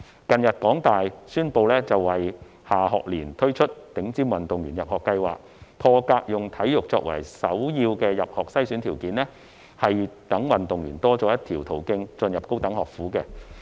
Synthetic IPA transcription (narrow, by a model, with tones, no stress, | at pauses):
kɐ˨njɐ˨t̚kɔː˨˥ŋt̪aː˨jsyː˥npo˧wlɛː˥t͡sɐ˨wːɐ˨˩j | haː˨ɦɔː˨k̚liː˨˩nt̪ʰɵ˥wt͡ʃʰɵ˥t̚t̪ɪ˨˧˥ŋt͡siː˥mwɐ˨nt̪ʊ˨ŋjyː˨˩njɐ˨p̚hɔː˨kːɐ˧jwa̰ː˨k̚ | pʰɔː˧kaː˧k̚jʊ˨ŋt̪ʰɐ˨˥jjʊ˨k̚t͡sɔ̰ː˧k̚wɐ̰˨˩jsɐ˨˥wjiː˧wkɛː˧jɐ˨p̚hɔː˨k̚sɐ˥jsyː˨˥nt̪ʰi˨˩wkiː˨˥nlɛ˥ | hɐ˨jt̪ɐ˨˥ŋwɐ˨nt̪ʊ˨ŋjyː˨˩nt̪ɔː˥t͡sɔː˨˥jɐ˥t̪̚ʰiː˨˩wt̪ʰo˨˩wkɪ˧ŋt͡sɵ˧njɐ˨p̚ko˥wt̪ɐ˨˥ŋhɔː˨˩k̚fuː˨˥kɛ˧